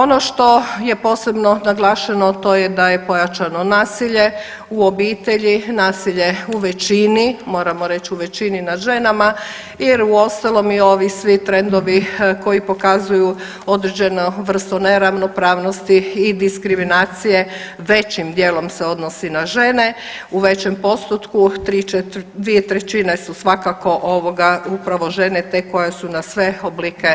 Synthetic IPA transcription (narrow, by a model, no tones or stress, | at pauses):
o̞noʃt̪o̞je̞po̞ːse̞bno̞naɡlˠaːʃanot̪o̞jed̪aje̞po̞jat͡ʃanonaːsiʎe̞ | uobiːt̪e̞ʎinaːsiʎe̞uʋet͡ʃinimo̞ːɾamoɾe̞t͡ɕiuʋet͡ɕininad̪ʒe̞nama | jiɾuo̞st̪alˠo̞mio̞ʋisʋit̪ɾe̞nd̪o̞ʋiko̞jipo̞kazuju | o̞d̪ɾed͡ʑe̞noʋr̩st̪one̞ɾaʋno̞pɾaːʋnost̪iːd̪iskɾiminaːt̪sije̞ | ʋet͡ɕimd̪jeːlo̞mseo̞d̪nosinaʒe̞ne̞ | uʋe̞t͡ɕe̞mpo̞st̪ut̪kut̪ɾiet̪d̪ʋiet̪ɾet͡ɕinesusʋakako̞ʔoʋoɡaupɾaʋo̞ʒe̞net̪e̞ko̞jesunasʋe̞oblike̞